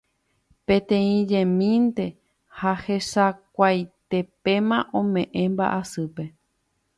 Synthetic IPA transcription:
pẽ̞t̪ẽ̞ĩd͡ʒẽmĩnt̪e̞ | hahe̞ʃakʷajt̪e̞pe̞mãʔõmẽ̞ʔẽ̞mba̰ʔasɨpe̞

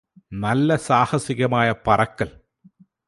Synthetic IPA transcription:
nɐlːɐsaːhɐsɪɣɐmaːjɐpɐrɐkːɐl

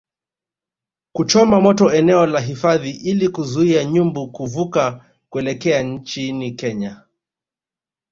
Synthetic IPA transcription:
kut͡ʃɔmamɔtɔɛnɛɔlaɦifaðiʔilikuzuiaɲumbukuvuka | kuɛlɛkɛaɲ̩t͡ʃinikɛɲa

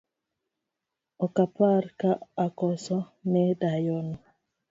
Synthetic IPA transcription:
ɔkaparkaakɔsɔnɛdajɔno

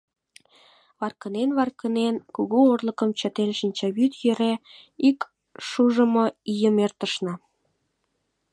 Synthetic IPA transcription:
βɑrkənenβɑrkənenkuɣuorlə̆kəmt͡ɕə̆t̪enʃinʲt͡ɕɑβyt̪jøɾeik | ʃuʒə̆mŏijəmert̪əʃnɑ

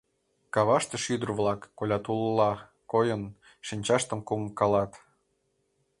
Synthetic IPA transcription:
kɑβɑʃt̪ĕʃyd̪ərvlɑkːolʲɑt̪ullɑ | kojən | ʃinʲt͡ɕɑʃt̪ə̆mkumkɑlɑt̪

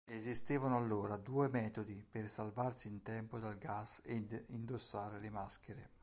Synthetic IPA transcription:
ezist̪eːvanoalːoːɾad̪uːemɛːt̪od̪ipersalvarsiːnt̪ɛmpod̪alɡased̪ind̪osːaːɾelemask̟eɾe

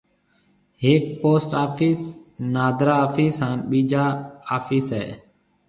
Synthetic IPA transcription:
ɦeːk̚poːsʈaːfʰiːsnaːd̪ɾaːfiːsɦãːnɓiːd͡ʒaːaːfiːsɦɛː

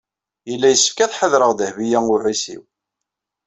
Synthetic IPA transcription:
jəlːæjəsːə̥fkæθħəðɾəʁd̪əhvijæŋʊʕisḭw

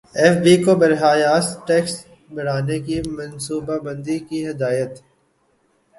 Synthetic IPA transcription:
ɛːfbikobɐɾɦaːjaːsʈɛːks | bɐɽ̤aːnekimɐ̃nsuːbabɐ̃nd̪ikiɦɪd̪aːjət̪

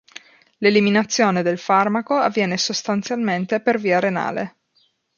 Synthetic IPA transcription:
leliminat̪sːjoːned̪elfarmakoavːjɛːnesost̪ant̪sjalment̪eperviːaɾena̰ːlḛ

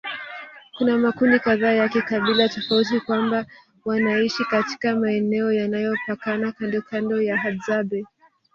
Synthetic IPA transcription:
kunamakundikaðaːjakikaɓilatɔfaut̬ikwamba | wanaiʃikati̥kamaɛnɛɔjanajɔpakanakandɔkʰandɔjaɦadzaɓɛ

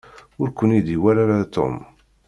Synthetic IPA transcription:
ʊɾkʷənid̪iwæɾaɾat̪o̰m

